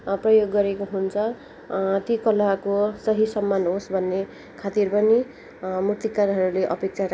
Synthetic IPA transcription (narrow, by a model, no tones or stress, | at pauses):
prʌjoɡːʌɾekoɦunt͡sʰʌ | t̪ikʌlakosʌɦisʌmːanɦosbʱʌnːe | kʰat̪irpʌni | murt̪ikaɾɦʌɾuleʔʌpek̚t͡sʰaɾ